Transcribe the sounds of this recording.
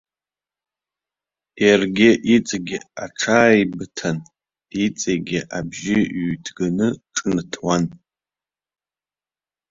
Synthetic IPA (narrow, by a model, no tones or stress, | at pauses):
jarɡʲɪʔit͡sʼaɡʲɪaʈ͡ʂʰaːjbɨtʰan | it͡sʼeɡʲɪʔabʒɪɥtʰɡanɨʈ͡ʂʼɨntʰwan